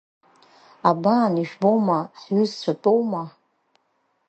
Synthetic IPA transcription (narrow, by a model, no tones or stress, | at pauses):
abaːniʒᶣbowmaħɥʏzt͡ɕʷʰatʼowma